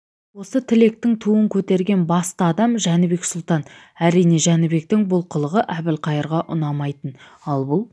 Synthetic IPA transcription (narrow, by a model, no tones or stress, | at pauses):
wo̞sət̪ʰɪle̞k̚t̪ɪŋt̪ʰuəŋkʲʰɵt̪e̞ɾɡʲe̞nbɑst̪əɑd̪ɑmʒænɪbe̞ksʊlˠt̪ɑn | æɾijne̞ʒænɪbe̞k̚t̪ɪŋbʊlˠqʰəlˠəʁəʔæbɪlqʰɑjəɾʁɑʔʊnɑmɑjt̪ən | ɑlˠbʊlˠ